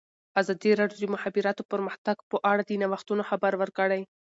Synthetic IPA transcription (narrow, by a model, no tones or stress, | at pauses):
azɑd̪iɾɑɖjod̪mʊhabiɾɑt̪opəɾməxt̪aɡpəʔaɽad̪inawaxt̪unoxabaɾwəɾkəɽaj